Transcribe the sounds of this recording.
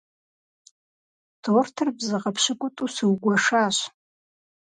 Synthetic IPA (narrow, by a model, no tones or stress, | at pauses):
tʰortʰɨrbzɨqʼapʰʃɪkʷʊtʼusɨwɡʷaʂaʃʷ